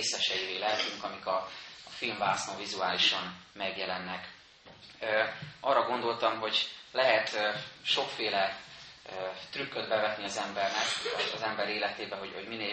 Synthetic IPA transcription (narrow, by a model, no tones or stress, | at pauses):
sɛʃɛjiveːlɛɦɛt̪yŋkɒmikɒːfilmvaːsnmɒvizuaːliʃɒnmɛɡjɛlɛnːɛkː | ʔɒrːɒɡo̞nd̪o̞lt̪ɒmɦo̞ɟlɛɦɛt̪ʃo̞kfeːlɛ | t̪rykːød̪bɛvɛt̪niɒzɛmbɛrnɛkɒ̰zɛmbɛɾeːlɛt̪eːbɛɦo̞ɟho̞̰ɟmineː